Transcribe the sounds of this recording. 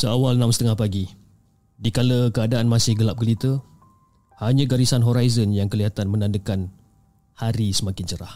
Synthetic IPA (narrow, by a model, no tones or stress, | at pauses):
səawalnãmsə̥t̪əŋahpaɡi | dikaləkəadaanmãsɪhɡəlap̚ɡəlit̪ə | haɲãɡaɾisanɦoɾajzənjaŋkəliɦat̪anmə̃nãndəkan | haɾisəmakɪnt͡ʃəɾah